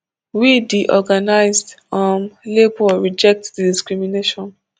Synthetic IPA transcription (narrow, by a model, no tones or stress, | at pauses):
widiʔɔɡanaɪzdamlebɔɹid͡ʒɛk̚tdidiskɹimineʃɔ̃n